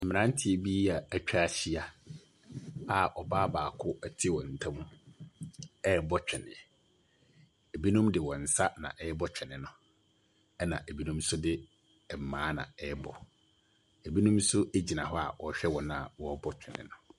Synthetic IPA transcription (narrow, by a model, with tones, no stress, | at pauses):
m̩˨mɪ̃˨nã˦n˦tʰɪ˨e˨bi˦a˨æ˨t͡ɕᶣa˦˨ɕi˦a˨ | a˨ʔɔ˨baː˦baː˨kʰʊ˦ɛ˦tʰɪ˦wɔ˨n̩˨tʰã˦mũ˦ | ɛ˦˨bɔ˦t͡ɕᶣɪ˨nɪ̰̃˨ | e˨bi˦nũ˦mdɪ˨wɔ̃˨n̩˨sa˦nã̰˨ʔɛ˦ɛ˦bɔ˦t͡ɕᶣɛ˨nɪ̃˦nʊ̃˦ | ɛ˦nã̰˨ʔe˨bi˦nũ˦msʊ˦dɪ˦˨ | m̩˨mãː˨˦nã̰˨ɛ˦ɛ˦bɔ̰˨ | e˨bi˦nũ˦msʊ˦e˦d͡ʑi˨nã˨ɦɔ˦a̰˨wɔ˨ɕᶣɛ˦wɔ̃˨nã˦˨wɔ˦bɔ˦t͡ɕᶣʰɪ˨nɪ̰̃˨nʊ̃˨